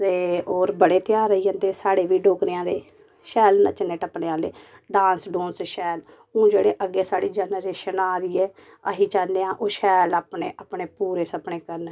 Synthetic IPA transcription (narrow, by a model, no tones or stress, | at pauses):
t̪eːoːɾbəɽeːt̪jaːɾəiːɦə̃nd̪eːsaːɽeːʋiːɖoːkɾeːãːd̪eː | ʃɛːlnə̰t͡ʃəneːʈəpneːaːleː | ɖãːnsɖõːnsʃɛːl | õːd͡ʒeːɽeːʔəɡːeːsaːɽiːd͡ʒɛːnɾeːʃənaːɾiːɛː | əɦiːt͡ʃaːnːeːãːʔoːʃɛːlaːpɳeːʔapɳeːpuːɾeːsəpɳeːkəɾn